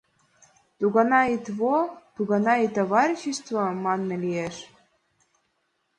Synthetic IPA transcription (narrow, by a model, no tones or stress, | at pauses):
t̪uɣɑnɑit̪βot̪uɣɑnɑit̪oβɑɾʲiɕist̪vomɑnːɤ̆lijeʃ